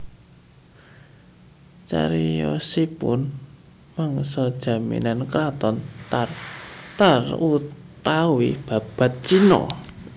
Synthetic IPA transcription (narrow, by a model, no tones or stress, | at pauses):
t͡ʃa̰ɾijɔsipʊn | maŋsɔd̥ʒ̥a̤mḭnankɾat̪ɔnt̪art̪arut̪awib̥a̤b̥a̤t̪̚t͡ʃinɔ̰